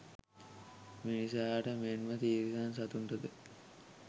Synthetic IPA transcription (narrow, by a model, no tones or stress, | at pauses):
minisaʈəmenmət̪iːɾisans̬at̪uɳʈəd̪ə